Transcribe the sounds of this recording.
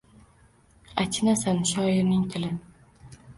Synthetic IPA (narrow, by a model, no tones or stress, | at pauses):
at͡ʃʲʰɪnasanʃɒɪɾnɪŋt̪ʰɪlɪ